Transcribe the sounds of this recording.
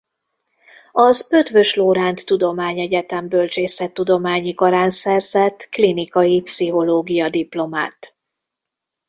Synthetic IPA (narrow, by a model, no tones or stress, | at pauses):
ɒzøt̪vø̞ʃloːɾaːnt̪ːud̪o̞maːɲɛɟɛt̪ɛmbø̞lt͡ʃeːsɛt̪ːud̪o̞maːɲikoɾaːnsɛrzɛt̪ːklinikɒjipsiɦo̞loːɡijɒd̪iplo̞ma̰ːt̪